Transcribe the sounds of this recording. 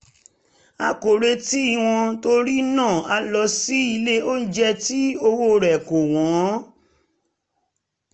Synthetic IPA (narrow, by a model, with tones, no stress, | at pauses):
a˧ko˨ɾe˧ti˦i˦˨w̃ɔ̃˧to˦ɾi˦nãː˦˨a˧lɔ˧si˦i˧le˦o˦n̩˦d͡ʒɛ˧ti˦o˧wo˧ɾɛ˨ko˨w̃ɔ̃˨˦